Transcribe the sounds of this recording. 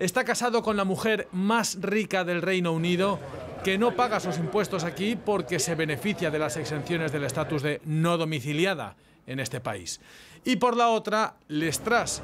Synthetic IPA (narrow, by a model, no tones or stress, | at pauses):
e̞st̪akasaðo̞ko̞nlamuxe̞ɾmasrikaðe̞lrejno̞uniðo̞ | ke̞no̞paɣ̞asus̬impwe̞st̪o̞sakipo̞ɾke̞se̞βe̞ne̞fiθjaðe̞lase̞kse̞nθjo̞ne̞zð̞e̞le̞st̪at̪uzðe̞noð̞o̞miθiljaða̰ | e̞ne̞st̪e̞pa̰ḭsipo̞ɾlao̞t̪ɾale̞st̪ɾas